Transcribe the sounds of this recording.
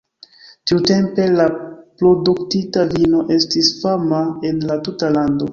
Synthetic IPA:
tiute̞mpe̞lapɾo̞duktitavino̞ʔe̞stisfamae̞nlatutalando̞

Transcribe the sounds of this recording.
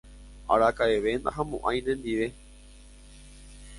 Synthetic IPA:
a̰ɾakaeʋend̪a̰ɦãmõʔãj̃nẽnd̪iʋe̞

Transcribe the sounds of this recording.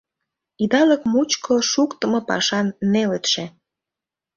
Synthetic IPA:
id̪ɑləkmut͡ɕkʰoʃukt̪ə̆mŏpɑ̰ʃɑnːelet̪ʃe

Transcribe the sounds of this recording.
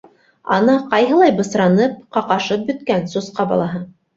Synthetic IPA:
ɑ̰nɤqɑjɦɤ̆lˠɑjbɤ̆sɾɑnɤp̚qɑqɑʃɤp̚bɵ̆t̪̚kænsusqɑbɑ̰lˠɑɦɤ

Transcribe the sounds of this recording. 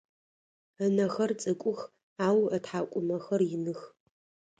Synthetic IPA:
ənɐxɐrt͡sʼɨkʷʼʊx | aːwɐtħaːkʷʼʊmɐxɐrjɪnɨx

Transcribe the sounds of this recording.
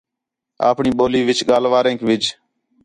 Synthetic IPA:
a̰ːpɳiːɓoːliːʋɪt͡ʃɠaːlʋaːɾẽːkʋɪd͡ʒ

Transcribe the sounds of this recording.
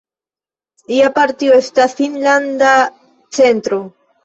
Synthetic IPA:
iapaɾt̪ioestasinland̪a | t͡sent̪ɾo

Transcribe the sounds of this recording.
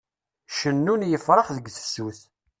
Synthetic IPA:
ʃənːunjəfɾˤəχðəɡθə̥suθ

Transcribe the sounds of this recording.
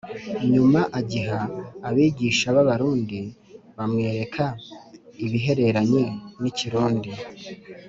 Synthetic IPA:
ɲumaʔaɟiɦaːβiːɟiːʃaβaβaɾuːndi | βamŋe̞ːɾe̞kʰa | iβiɦe̞ɾe̞ɾaɲeniciɾuːndi

